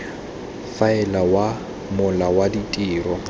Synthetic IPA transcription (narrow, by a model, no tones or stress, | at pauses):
faɪlawa | mʊlawaditʼiːrɔ